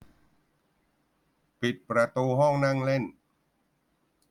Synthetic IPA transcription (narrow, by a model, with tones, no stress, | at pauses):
pi˨˩t̪̚pɾa˧t̪uː˧ɦɔ˥˩ŋna˥˩ŋle˥˩n